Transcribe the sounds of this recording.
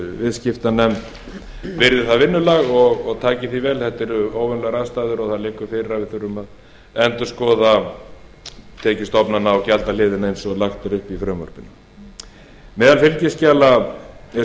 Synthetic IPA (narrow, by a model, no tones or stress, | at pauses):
vɪðscɪft̪anɛmt̪ | vɪɾðɪθaðvɪnːʏlaɣɔɣɔɣt̪ʰaːcɪθivɛːlθɛht̪ɛɾʏoːwvɛnlɛɣɾaðst̪aːðʏɾɔɣθaðlɪkːʏfɪɾɾavɪðθʏɾʏmað | ɛnt̪ʏ̥skɔːða | t̪ʰɛːcɪst̪ɔpnanːaɔwcalt̪alɪːðɪnaejnsɔɣlaxt̪ʏɾʏhpifɾœːmvœ̰ɾ̥pɪnːʏ | mɛːðalfɪlcɪscaːlaɛ